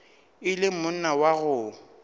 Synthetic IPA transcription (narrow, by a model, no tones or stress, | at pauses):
ɪlɪmʊn̩nawaɣʊ